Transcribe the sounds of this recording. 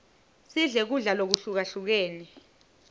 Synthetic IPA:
siɮɛk̬uɮalok̬uɬuk̬aɬuk̬eːni

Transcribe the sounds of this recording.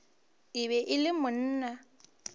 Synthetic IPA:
ɪβɛʔɪlɪmʊn̩ːna

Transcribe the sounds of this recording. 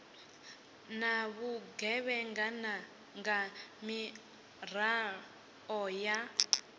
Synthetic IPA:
naβuɡɛβɛŋɡana | ŋɡami | ra | ɔja

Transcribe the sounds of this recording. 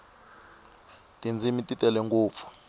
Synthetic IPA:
tʼind͡zʱimitʼitʼɛlɛŋɡuːp̪fu̥

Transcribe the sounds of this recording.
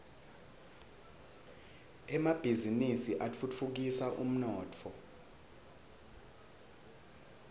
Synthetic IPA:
ɛmab̥ʱizinisiʔat͡fʰut͡fʰuk̬isaʔṵm̩nɔːtʰɔ

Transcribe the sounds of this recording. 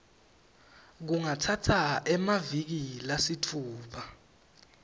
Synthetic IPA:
k̬uŋatʰatʰaɛmavik̬ilasitʰuːɓa

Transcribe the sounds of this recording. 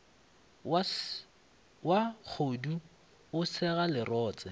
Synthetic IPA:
wak͡xʰodu | ʊsɛɣalɪrɔːt͡sʼɛ

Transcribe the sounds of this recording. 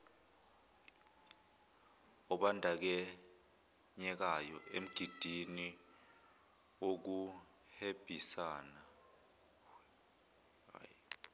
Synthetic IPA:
ɔɓandʱak̬ɛ | ɲɛk̬ajɔʔḛm̩ɡ̥ʱid̥ʱini | ok̬u | heb̥ʱisaːna

